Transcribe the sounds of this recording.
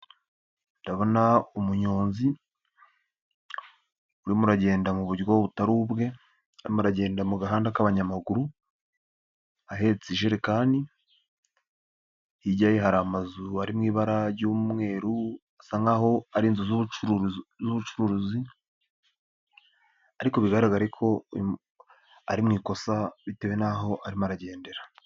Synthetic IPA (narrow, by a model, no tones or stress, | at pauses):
ndaβo̞naumuɲo̞ːnzi | uɾimuɾaɟe̞ːndamuβuɾwoβutaɾubɡe̞ | aɾḭmuɾaɟe̞ːndamuɡaɦaːndakaβaɲamaɡuɾu | aɦe̞ːt͡siʒeɾekaːndi | hiɟajeɦaɾamazuaɾimŋiːβaɾaɾɟuːmŋe̞ːɾu | asaŋɡaɦo̞aɾiːnzuzuuzuβut͡ʃuɾuɾuzi | aɾiko̞βiɡaɾaɡaɾekʰo̞ | a̰ɾimŋiːko̞saβite̞we̞naɦo̞ʔaɾimuɾaɟe̞ːnde̞ɾa